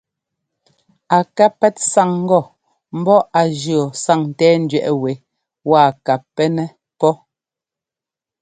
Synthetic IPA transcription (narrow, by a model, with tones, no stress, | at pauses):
a˨ka˦pɛ˦tsa˦˨ŋ̩˦ɡɔ˦˨ | m̩˦bɔ˦a˨d͡ʒɰɔ˨sa˦˨ŋn˨tɛː˦n̩˦dɥɛ˨ʔɛ˨we˨˦ | wa˦˨ka˨pːɛ˦nɛ˦ | pɔ˦